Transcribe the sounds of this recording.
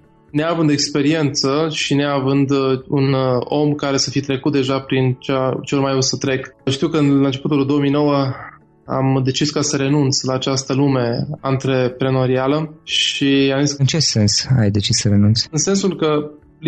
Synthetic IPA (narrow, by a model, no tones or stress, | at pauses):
neavɨnd̪ekspe̞ɾie̞nt̪səʃineavɨnd̪uno̞mkaɾe̞səfit̪ɾe̞kut̪̚d̪e̞ʒapɾint͡ʃat͡ʃeormajosət̪ɾe̞kʃt̪iwkəɨnlant͡ʃe̞put̪uld̪o̞wəmijno̞wə | a̰md̪e̞t͡ʃiskasəɾe̞nunt̪slaːt͡ʃast̪əlume̞ant̪ɾepɾeno̞ɾialəʃiamzisɨnt͡ʃe̞se̞nsa̰jd̪e̞t͡ʃissəɾe̞nunt̪sʲɨnse̞nsulkə | l